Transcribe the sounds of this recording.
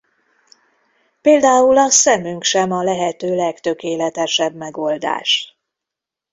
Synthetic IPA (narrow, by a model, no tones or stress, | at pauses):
peːld̪aːulɒsɛmyŋkʃɛmɒlɛɦɛt̪øːlɛkt̪ø̞keːlɛt̪ɛʃɛbmɛɡo̞ld̪a̰ːʃ